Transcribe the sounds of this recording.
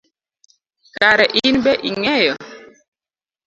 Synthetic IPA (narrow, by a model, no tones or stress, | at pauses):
kaɾɛʔinbɛʔiŋɛjɔ